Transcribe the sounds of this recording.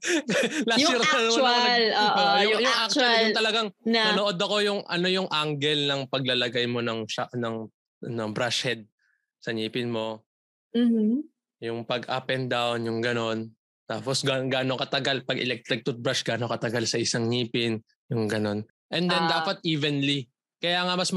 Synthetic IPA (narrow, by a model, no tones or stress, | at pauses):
lasiɾanɐlːʔoʊjʊŋʔak̚t͡ʃɐlʊŋt̪ɐlɐɡaŋnnɐnoʔo̞d̪ɐko̞jʊŋʔɐ̰no̞jʊŋʔaŋɡɛlnɐŋpɐɡ̚lɐlɐɡajmo̞nɐŋʃaʔnɐŋ | ɐnɐbɾaʃhɛd̪̚ | sɐɲiːpɪnmo̞ | m̩ | jʊŋpɐɡʔapɛnd̪awnjʊŋɡɐno̞n | t̪aːposɡaɡaːnokɐt̪ɐɡalpɐɡɛ̰lɛk̚t̪ɾɪk̚t̪ʊt̪̚bɾaʃɡaːnokɐt̪ɐɡalsɐʔɪsaŋɲiːpɪn | jʊŋɡɐno̞n | ʔɛnd̪ɛnd̪aːpɐt̪̚ʔiːvɛnli | kɐjaːŋɐmɐsm